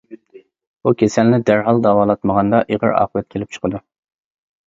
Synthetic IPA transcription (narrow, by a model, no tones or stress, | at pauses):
bukʲʰesɛlnɪd̪æɾɦɑlˠd̪ɑwɑːlˠɑt̪məʁɑnd̪ɑʔeʁə̰ɾɑ̰ːqʰəvɛt̪̚kʲʰelɪp̚t͡ʃʰə̥qʰəd̪u